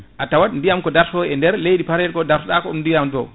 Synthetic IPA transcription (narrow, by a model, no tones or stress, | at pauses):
ʔatawaɗndijamkɔdaɾsɔɛndɛɾlejɗipaɾɛlkɔdaɾsɔɗakɔumndijamdɔ̰